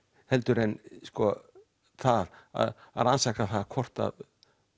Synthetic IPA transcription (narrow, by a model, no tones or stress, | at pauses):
hɛlt̪ʏɾɛnskɔ | θaða̰ða̰ðansakaθaðkʰɔr̥t̪a̰ð